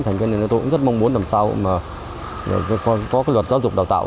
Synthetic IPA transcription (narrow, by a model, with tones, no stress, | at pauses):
t̪a˨˩ŋ̟ki˧n˨˩nː˨˩t̪o̰˧˥˦zt̚ma˧wŋ͡mmu˨˦ənlaː˨˩msa˧wma̰ː˨˩˨ | kɔ˨˦kɔ˨˦kaː˨˦jlwə˨˩t̚za˨˦wzʊ˨˩k͡p̚ɗa˨˩wt̪a̰ː˧˨